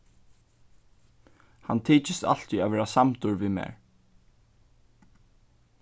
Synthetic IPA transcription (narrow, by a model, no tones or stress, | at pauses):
ha̰nt̪ʰiːt͡ʃɪst̪a̰l̥t̪iavɛːɾasamt̪ʊɹʋiðmɛ̰ɹ